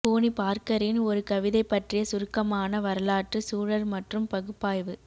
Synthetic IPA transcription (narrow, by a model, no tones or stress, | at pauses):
poːnipaːɾkɐɾɪnɔɾɯkɐʋɪðɐɪpːɐʈrɪjɐsʊɾɯkːɐmaːnɐʋɐɾɐlaːʈrɯsuːɻɐɾmɐʈrɯmpɐɣɯpːaːjʋɯ